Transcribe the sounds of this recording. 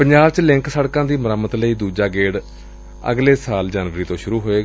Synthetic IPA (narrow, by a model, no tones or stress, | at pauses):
pəɲd͡ʒaːbt͡ʃlɪ̃ŋksəɽkãːd̪iːməɾəmət̪ləiːd̪uːd͡ʒaːɡeːɽ | ə̰ɡleːsaːld͡ʒaːnʋəɾiːt̪õːʃʊɾuːɦoːeː